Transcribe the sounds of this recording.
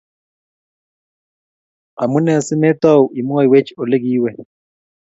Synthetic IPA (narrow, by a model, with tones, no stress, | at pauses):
a̰˨mu˦nɛ˨si˦mɛ˦ta˦u˨ʔi˨mu˦a˦i˨we˦t͡ʃʰi̥ɔ˨le˦ɡiː˦wɛ˨